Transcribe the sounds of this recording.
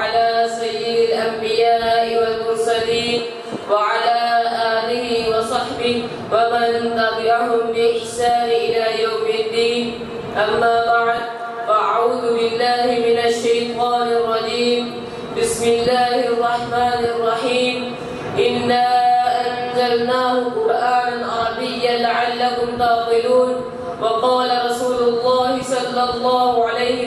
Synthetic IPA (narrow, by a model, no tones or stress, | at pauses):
alaːsajːɪd̪ɪlʔambɪjaːʔɪwalmʊɾsaliːn | waʕalaːʔaːlɪhɪwɑsˤɑħbɪh | wamant̪aqɪlahʊmbɪlʔɪħsaːnɪʔɪlaːjawmɪd̪ːiːn | ʔamːaːbaʕd̪̚ | faʔaʕuːðʊbɪlːaːhɪmɪnaʃːajt̪ˤɑːnɑrˤːɑd͡ʒiːm | bɪsmɪlːaːhɪʔɑrˤːɑħmaːnʔɑrˤːɑħiːm | ʔɪnːaːʔanzalnaːhʊqʊɾʔaːnanʔɑɾˤɑbɪjːalaʕalːaɦʊmt̪ɑːt̪ˤɪluːn | wɑqɑːlaɾˤɑsuːlʊlˤːɑːhɪsˤɑlːɑlˤːɑːhʊʕalajhɪ